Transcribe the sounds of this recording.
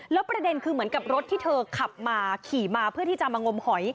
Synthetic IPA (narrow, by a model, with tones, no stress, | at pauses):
lɛː˦˥wpɾa˧de˧nkʰɯː˧mɯ˩˦ənka˨˩p̚ɾo˦˥t̪ʰːiː˥˩t̪ʰɤː˧kʰa˨˩p̚maː˧kʰiː˨˩maː˧pʰɯ˥˩ɐt̪iː˥˩t͡ɕa˨ʔmaː˧ŋo˧mhɔ˩˦j